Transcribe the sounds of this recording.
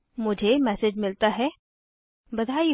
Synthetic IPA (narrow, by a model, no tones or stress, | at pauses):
mʊd͡ʒʱemɛsed͡ʑmɪlt̪aɦɛ | bɐd̪ʱai